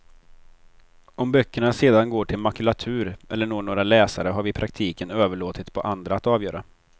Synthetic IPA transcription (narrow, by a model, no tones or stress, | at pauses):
ɔmbœkːəɳaseːd̪anɡoːʈʰɪlmakɵlat̪ʰʉ̟ːɾʔɛlːəɳoːɳoːɾalɛːsaɾəɦaɾvɪpʰɾak̚t̪ʰiːkənøːvəɭoːt̪ɪt̪pʰɔʔand̪ɾaat̪ɑːvjœːɾʔa